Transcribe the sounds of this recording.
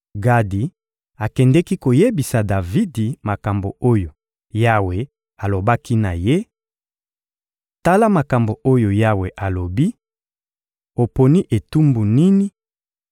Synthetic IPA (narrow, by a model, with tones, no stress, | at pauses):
ɡa˦di˨ | a˨kɛ˨ndɛ˦ki˦ko˨je˦bi˨sa˨da˨vi˦di˨ma˨ka˨mbo˨o˦jo˨ | ja˦we˨ | a˨lo˨ba˦ki˦na˨je˦ | ta˦la˦ma˨ka˨mbo˨o˦jo˨ja˦we˨ʔa˨lo˨bi˦ | o˨po˨ni˦ʔe˨tu˦mbu˨ni˦ni˦